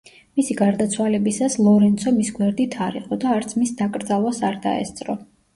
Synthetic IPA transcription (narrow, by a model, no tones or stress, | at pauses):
misiɡaɾd̪at̪sʰwalɛbisaslˠɔɾɛnt̪sʰɔmisɡwɛɾd̪it̪ʰaɾḭqʼɔd̪aːɾt̪sʰmisd̪akʼɾd̪zalˠwasaɾd̪a̰ɛ̰st̪sʼɾɔ